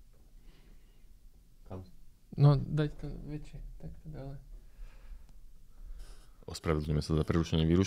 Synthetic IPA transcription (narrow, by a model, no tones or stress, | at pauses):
kam | nɔd̪act̪ɔʋɛt͡ʃɛt̪act̪ɔd̪alɛ | ɔspɾaʋɛd̪lɲuɲɛmɛsazapɾɛɾuʃɛɲɪɛʋiːɾuʃ